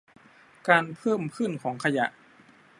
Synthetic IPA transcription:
kaː˧npʰɤː˥˩mkʰɯ˥˩nkʰɔː˩˦ŋkʰa˧ja̰˨˩ʔ

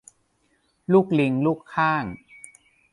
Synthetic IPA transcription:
luː˥˩k̚li˧ŋluː˥˩kʰːaː˥˩ŋ

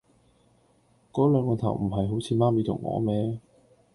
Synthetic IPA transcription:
kɔː˨˥lœː˨˧ŋkɔː˧t̪ʰɐ̰˨˩wm̩˨˩ɦɐ˨jɦo˨˥wt͡sʰiː˨˧maː˥miː˨˧t̪ʰʊ̰˨˩ŋːʔɔ̰ː˨˧˦mɛː˥

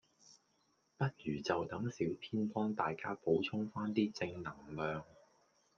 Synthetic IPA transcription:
pɐ˥t̚jyː˨˩t͡sɐ˨wt̪ɐ˨˥ŋsiː˨˥wpʰiː˥npɔː˥ŋt̪aː˨jkaː˥po˨˥wt͡sʰʊ˥ŋfaː˥nt̪iː˥t͡sɪ˧ŋnɐ˨˩ŋlœː˨ŋ

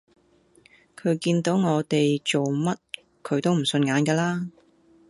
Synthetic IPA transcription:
kʰɵ˨˧˥ɥkiː˧nt̪o˨˥wŋɔː˨˧t̪e˨jt͡so˨wmɐ˥t̚ | kʰɵ˨˧ɥt̪o˥wm̩˨˩sɵ˧nŋaː˨˥nkɛː˧laː˥

